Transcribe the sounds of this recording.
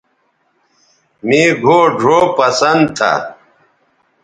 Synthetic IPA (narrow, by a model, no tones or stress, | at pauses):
miːɡʱoːɖʱoːpɐsɐnd̪̚t̪ʰa̰